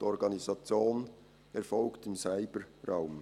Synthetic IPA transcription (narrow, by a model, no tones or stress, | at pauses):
ɔɾɡɑnizɑt͡sjoːn | ɛɾfɔlktɪmsaɪbəɾaʊm